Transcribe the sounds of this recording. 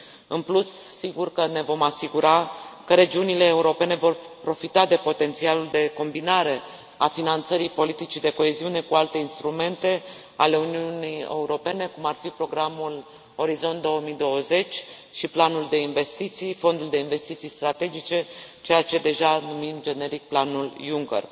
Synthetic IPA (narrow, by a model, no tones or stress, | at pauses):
ɨnplussiɡurkəne̞vo̞masiɡuɾakəɾe̞d͡ʒiunile̞ːuɾo̞pe̞ne̞vo̞rpɾo̞fit̪ad̪e̞po̞t̪e̞nt̪sialuld̪e̞ko̞mbinaɾe̞ | afinant̪səɾipo̞lit̪it͡ʃid̪e̞ko̞e̞ziune̞kualt̪e̞inst̪ɾume̞nt̪e̞ | a̰le̞uniunijḛuɾo̞pe̞ne̞kumarfipɾo̞ɡɾamul | o̞ɾizo̞nt̪̚d̪o̞woəmijd̪o̞wəze̞t͡ʃʲ | ʃiplanuld̪e̞inve̞st̪it̪sijfo̞nd̪uld̪e̞inve̞st̪it̪sijst̪ɾat̪e̞d͡ʒit͡ʃe̞t͡ʃe̞jat͡ʃe̞d̪e̞ʒanumimd͡ʒe̞ne̞ɾik̚planuljuŋkḛr